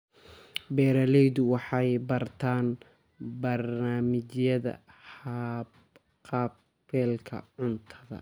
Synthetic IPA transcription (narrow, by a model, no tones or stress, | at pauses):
bɛːɾɐlɛjðʊwɑħɑjbɐrt̪ʰaːn | bɐrnaːmɪt͡ʃjɐðɐ̰hab | qɑːb | fɛːlkʰɐ̰ʕʊnt̪ʰɐðɐ̰